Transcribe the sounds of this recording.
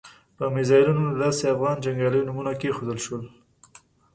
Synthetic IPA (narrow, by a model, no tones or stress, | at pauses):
pəmɪzɑɪlunod̪ɑseafɣɑnd͡ʒaŋɡɑləjonumunakexod̪əlʃwəl